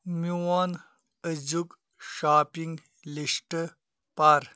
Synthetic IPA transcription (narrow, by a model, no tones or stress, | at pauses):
miwaːn | əd͡ʑuk | ʃaːpiŋɡ | liʂʈə | paːɾ